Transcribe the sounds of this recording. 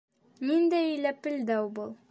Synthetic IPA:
mind̪æijlæpɘ̆ld̪æwbɤlˠ

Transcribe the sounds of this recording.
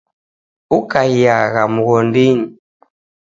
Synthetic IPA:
ukaijaɣamuɣɔndiɲi

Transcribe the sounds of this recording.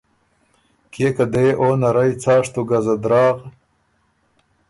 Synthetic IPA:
keːkad̪eːʔoːnɐɾɐjt͡saːʂt̪uɡɐzɐd̪ɾɑːʁ

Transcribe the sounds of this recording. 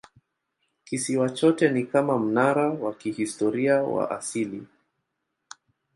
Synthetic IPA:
kisiwat͡ʃɔtɛnikamam̩naɾawakihistɔɾiawa̰ʔasili

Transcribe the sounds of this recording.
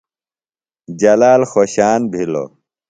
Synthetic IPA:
d͡ʑɐlaːlxoɕaːnbʱilo̰

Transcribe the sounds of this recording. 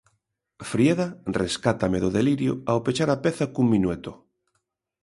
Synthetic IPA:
fɾjeðareskat̪ameðʊðeliɾjʊaopet͡ʃaɾapeθakuŋminwet̪ʊ

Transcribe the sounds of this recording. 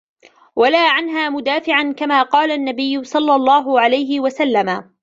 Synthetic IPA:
walaːʕanɦaːmʊd̪aːfɪʕankamaːqɑːlaʔnːabɪjːʊsˤɑlːɑlˤːɑːɦʊʕalajɦɪwasalːama

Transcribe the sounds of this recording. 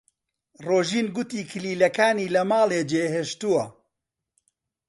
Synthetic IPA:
roːʒiːnɡʊt̪iːkʰɨliːlɐkaːniːlɐmaːlˠeːd͡ʒeːɦeːʃt̪uwɐ

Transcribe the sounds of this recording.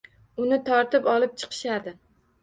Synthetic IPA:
ʊnɪt̪ʰɒɾt̪ɪpɒlˠɪp̚t͡ʃʰɨ̥qʰɨ̥ʃad̪ɪ

